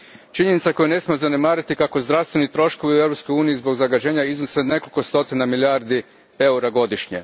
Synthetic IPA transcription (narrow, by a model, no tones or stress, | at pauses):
t͡ʃiɲe̞nit̪sako̞june̞smiozane̞maːɾit̪ikako̞zd̪ɾaʋst̪ʋe̞nit̪ɾo̞ʃko̞ʋiue̞vɾopskojuːnijizbo̞ɡzaɡad͡ʑe̞ːɲaiznosene̞kolʲko̞st̪o̞t̪inamiljaːɾd̪i | e̞uɾaɡo̞d̪iʃɲḛ